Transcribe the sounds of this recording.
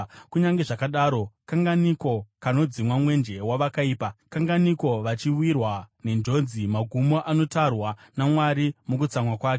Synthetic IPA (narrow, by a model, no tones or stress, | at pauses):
kuɲaŋɡe̞ʐakaɗaːɾo̞kaŋɡaniko̞kano̞d͡zimwamwe̞nd͡ʒe̞waʋakaiːpakaŋɡaniko̞ʋat͡ʃiuirwane̞nd͡ʒo̞d͡zimaɡʱumo̞ʔano̞tarwanamwaɾimuk̬ut͡samwakwaːt͡ʃe